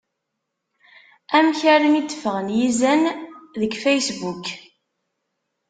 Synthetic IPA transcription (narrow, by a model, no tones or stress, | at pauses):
æmçæɾənid̪ːfəʁənjizænðəɡfæjsbuk